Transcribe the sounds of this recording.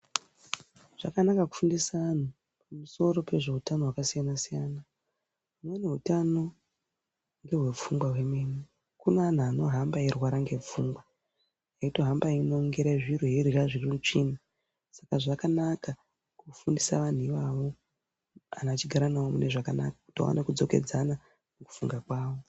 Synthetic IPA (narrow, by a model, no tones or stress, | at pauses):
ʐ̥akanakaku̥fundisaʋan̤u | pamuso̞ɾo̞pe̞ʐe̞utano̞wakasijanasijaːna | umwene̞ɦutano̞ | ŋɡe̞ɦwe̞p͡fuŋɡwaɦwe̞meni | kunaːn̤aːno̞ɦambaerwaɾaŋɡe̞p͡fuːŋɡwa | jaito̞ɦambaino̞ŋɡeɾaiʐirweerraʐirimut͡ʂina | sakaʐakanaka | kufundisaʋan̤uiʋaʋo̞ | a̰nat͡ʃiɡʱaɾanawomune̞ʐakana̰kḁku̥tio̰wa̰nʔekud͡zo̞ke̞̰d͡zana | meku̥fuŋɡakwaːwo̞